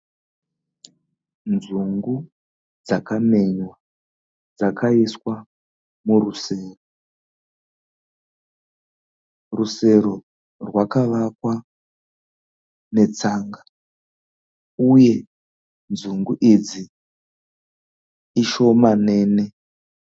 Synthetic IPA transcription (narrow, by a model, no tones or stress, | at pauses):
nzuŋɡu | d͡zakame̞ɲwa | d͡zakʰaiswa | muɾuseːro | ruse̞ɾo | rwakaʋakwa | ne̞t͡saːŋɡa | uje̞ | nd͡zuŋɡuʔid͡zi | iʃo̞mane̞ːne